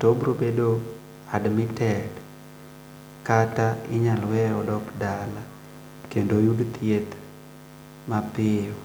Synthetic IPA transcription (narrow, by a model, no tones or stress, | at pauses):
tobɾobedo | admɪtɛd | kataɪɲalwɛɔdɔkdala | kendojudt̪ʰjet̪ | mapɪɔ